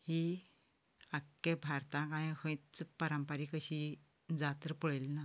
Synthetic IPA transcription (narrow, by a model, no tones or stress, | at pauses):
hi | akːẽbʱaɾt̪ãkãjhə̃it͡spəɾə̃mpəɾiːkəɕi | d͡zat̪əɾpuɭəlna